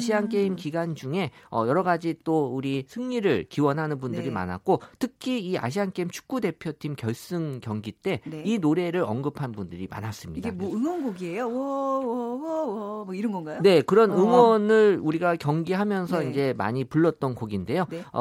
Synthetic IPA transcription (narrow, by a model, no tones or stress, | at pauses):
ɕʰiank͈e̞imkiɡand͡ʑuŋe̞ʌjʌɾʌɡad͡ʑit͈ouɾisʰɯŋɲiɾɯɭkiwʌnɦanɯnbundɯɾima̰na̰k̚k͈otʰɯkʰiːa̰ɕ̬ʰiɦank͈e̞imt͡ɕʰu̥k̚k͈ude̞pʰjotʰimkjʌɭs͈ɯŋkjʌŋɡit͈e̞ninoɾe̞ɾɯɾʌŋɡɯpʰanbundɯɾima̰nas͈ɯmɲidɡemwɯŋonɡoɡiejoʌ | iɾʌnɡʌnɡajone̞kɯɾʌnɯŋwʌnɯɭuɾiɡakjʌŋɡiɦamjʌnsʰʌind͡ʑe̞ma̰ɲipuɭːʌt̚t͈ʌnkoɡinde̞jonʌ̰